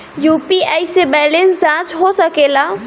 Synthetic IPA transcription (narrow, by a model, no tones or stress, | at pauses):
juːpiajsebɛlẽnsd͡ʒãt͡ʃɦosəkela